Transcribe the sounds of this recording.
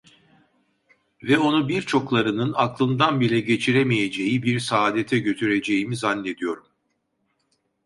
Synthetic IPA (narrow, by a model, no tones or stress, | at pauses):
vɛo̞nubiɾt͡ʃʰo̞klˠaɾɯnɯnaklˠɯnd̪anbilʲɛɟe̞t͡ʃʰiɾemije̞d͡ʒe̞jibiɾsaːd̪et̪ʰɛɟø̞t̪ʰyɾe̞d͡ʒe̞jimizanːe̞d̪ijo̞ɾum